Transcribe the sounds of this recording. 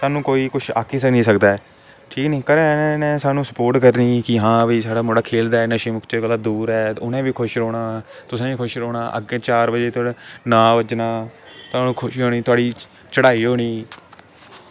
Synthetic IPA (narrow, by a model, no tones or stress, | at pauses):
saːnũːkoːiːkʊt͡ʃʰaːkʰiːsənĩːsəkd̪aːɛ | ʈʰiːkniːkəɾnẽːnɛ̃ːsaːnũːsəpoːɾʈkəɾniːkɪɦãːbiːsaːɽaːmoːɽaːkʰeːld̪aːɛnəʃiːmʊkʰt͡ʃːɡələd̪uːɾɦɛːʊnẽːbiːkʰʊʃɾoːɽaː | t̪ʊsẽːiːkʰʊʃɾoːɽaːʔə̰ɡẽːt͡ʃaːɾbəd͡ʒeːt̪ːnãːʋəd͡ʒnaːt̪ʊaːnũːkʰʊʃiːɦoːniːt̪ʊaːɽiː | t͡ʃəɽaːiːɦoːɽ̃iː